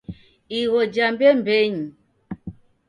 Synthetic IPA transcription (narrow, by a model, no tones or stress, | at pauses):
iwɔd͡ʒambɛmbɛɲi